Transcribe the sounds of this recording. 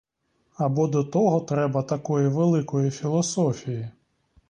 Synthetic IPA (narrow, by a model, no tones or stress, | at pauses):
ɐbɔd̪ɔt̪ɔɦɔt̪ɾɛbɐt̪ɐkɔjiʋelˠɪkɔjifʲilˠɔsɔfʲiji